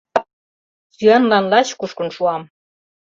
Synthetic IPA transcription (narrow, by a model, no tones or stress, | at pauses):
syɑnlɑnlɑɕkuʃkə̆nʃuɑm